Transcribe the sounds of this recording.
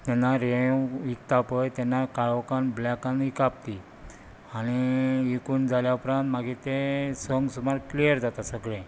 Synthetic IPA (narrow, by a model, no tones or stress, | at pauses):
t̪ɛnːaɾẽikt̪apəjt̪ɛnːakaɭkanblɛkãnikap̚t̪i | aɽ̃iikuːnd͡zʱaljaupɾãnt̪maɡit̪esəŋɡsumaɾklijəɾd͡zat̪asəɡɭẽ